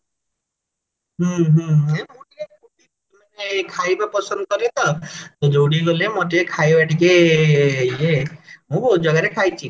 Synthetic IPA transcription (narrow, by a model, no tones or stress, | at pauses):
ɦuɦũemũʈikebubiɔkmanekʰajbapɔsɔnd̪kɔɾet̪ɔt̪ɔd͡ʒowɽiɡolemoʈekʰajbaʈike | jemũbʱot̪̚d͡ʒɔɡaɾekʰajt͡ʃʰi